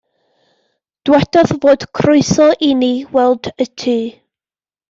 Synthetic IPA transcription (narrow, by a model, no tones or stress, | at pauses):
d̥wɛdɔðvoːd̥kʰrʊɨsɔʔiniwɛlˠd̥ətʰiː